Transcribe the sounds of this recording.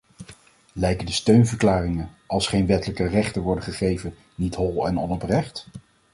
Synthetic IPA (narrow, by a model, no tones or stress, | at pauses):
lɛjkəndəstøɥnvəɹklaːrɪŋən | ɑlˠsχejnʋɛtələkərɛχtəʋɔɹdəχəχejvən | nitɦɔlˠɛnɔnɔprɛχt